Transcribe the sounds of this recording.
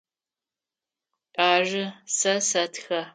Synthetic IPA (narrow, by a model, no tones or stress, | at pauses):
ʔʼaːʒɨsɐsɐtxɐ